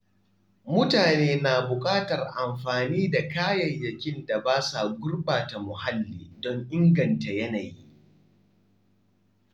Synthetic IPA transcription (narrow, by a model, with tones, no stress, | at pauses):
mʊ˦taː˨neː˦na˨bʊ˨kʼaː˦tɐ˨rʔa˨mɸaː˨niː˦da˨kaː˦jɐ˨jjɐ˨kʲɪ˦nda˨baː˦sa˨ɡʷʊ˦rbaː˨ta˨mʊ˨ha˦lːiː˨dɔ˦ŋʔɪ˦ŋɡɐ˨nta˨jɐ˦naː˨ji˦